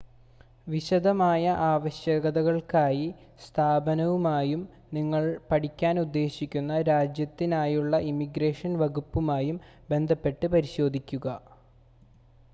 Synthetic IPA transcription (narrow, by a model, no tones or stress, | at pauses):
ʋiɕɐd̪ɐmaːjɐʔaːʋɐɕjɐɣɐðɐɣɐɭkaːji | st̪ʰaːbɐnɐʋumaːjum | niŋːɐɭpɐʈikʲːaːnud̪ːe̞ːɕikʲːunːɐɾaːd͡ʑjɐt̪ːinaːjuɭːɐʔimiɡɾe̞ːʂɐnʋɐɣupːumaːjumbe̞nd̪ʱɐpːe̞ʈːɨpɐɾiɕo̞ːd̪ʱikʲːuɣɐ